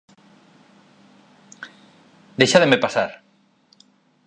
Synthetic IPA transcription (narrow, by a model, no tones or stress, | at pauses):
d̪ejʃaðemepasaɾ